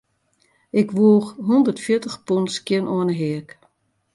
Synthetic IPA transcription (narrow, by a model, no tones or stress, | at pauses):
ɪkʋuəxɦundərtfjɪtəxpunskjɪnʔɔənəɦɪək